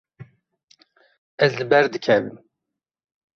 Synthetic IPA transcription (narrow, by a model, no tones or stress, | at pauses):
ɛzlɨbɛɾd̪ɨkʰɛvɨm